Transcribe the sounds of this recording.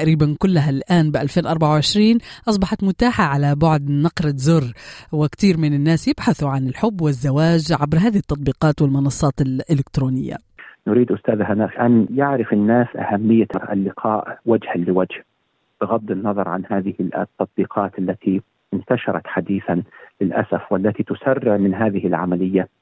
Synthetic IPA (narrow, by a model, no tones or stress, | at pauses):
aʔɾiːbankʊlːaɦalʔaːnbɪʔalfeːnʔɑɾˤbaʕawʕɪʃɾiːnʔɑsˤbɑħɑt̪mʊt̪aːħaʕalabʊʕd̪nɑqɾˤɪzʊrˤːwɪkt̪iːɾmɪnɪnːaːsjɪbħaθʊʕanɪlħʊbːwɪzːawaːd͡ʒʕabɾɦaːðɪhɪt̪ːɑt̪ˤbiːqɑːt̪wɪlmɪnɑsˤːɑːt̪ɪlʔɪlɪkt̪ɾoːnɪjːa̰ | nʊɾiːd̪ʔʊst̪aːðɦanaːfʔanjɪʕɾɪfɪnːaːsʔa̰hamːɪjːaɾˤʔa̰lːɪqʰɑːʔwad͡ʒhalɪwad͡ʒh | b̥ɪɣɑd̪ːɪnːɑðˤɑɾˤʕa̰nhaːðɪhɪt̪ːɑt̪̚ˤbiːqʰɑːt̪ʔalːat̪ʰi | ɪnt̪aʃɑɾˤɑ̰t̪ħad̪iːθanlɪlʔa̰safwalːat̪it̪ʊsarːɪʕmɪnɦaːðɪhɪlʕa̰malɪjːa